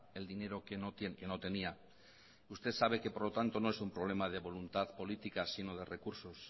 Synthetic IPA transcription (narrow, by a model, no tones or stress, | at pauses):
e̞ld̪ine̞ɾo̞kenot̪eke̞no̞t̪e̞nia | ust̪e̞tsaβ̞e̞ke̞po̞ɾlo̞t̪ant̪o̞noesumpɾoβ̞le̞maðe̞βo̞lunt̪aðpo̞lit̪ikasino̞ð̞e̞re̞kuɾso̞s